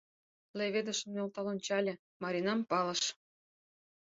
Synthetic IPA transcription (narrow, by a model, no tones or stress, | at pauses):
leβʲed̪ə̆ʃə̆mnolt̪ɑlonʲt͡ɕɑlʲĕ | mɑɾʲinɑmpɑlə̆ʃ